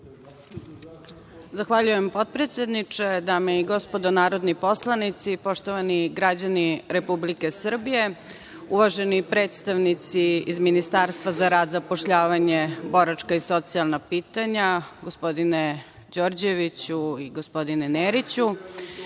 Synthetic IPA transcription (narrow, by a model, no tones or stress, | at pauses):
zaxʋaʎujempo̞t̪̚pɾet̪sʲjed̪nit͡ʂed̪ameiɡo̞spo̞d̪onaːɾo̞d̪nipo̞slˠanit̪sipo̞ʂt̪oʋaniɡɾad͡ʑaniɾe̞publike̞sr̩bije̞ | uʋaʒe̞nipɾe̞ːt̪st̪aʋnit̪siizminist̪aːɾst̪ʋazaɾaːd̪zapo̞ʃʎaːʋaɲe̞bo̞ɾat͡ʃkaiso̞t̪sialˠnapiːt̪aɲaɡo̞spo̞d̪ine | d͡ʑoɾd͡ʑe̞ʋit͡ɕuiɡospo̞d̪ineneːɾit͡ɕu